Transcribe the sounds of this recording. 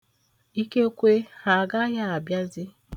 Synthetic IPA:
i˦ke˦kʷe˦ha˨ɡa˦ja˦a˨bja˦zɪ˦

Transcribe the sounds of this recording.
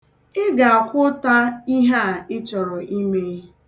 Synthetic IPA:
ɪ˦ɡa˨a˨kʷʊ˦ta˦i˦ɦa˦a˨ɪ˦t͡ʃɔ˨ɾɔ˨ʔi˦me˦

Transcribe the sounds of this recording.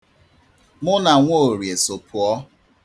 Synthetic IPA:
mʊ˦na˨ŋʷo˦˨ɾje˨so˨pʰʊ˨ɔ˦

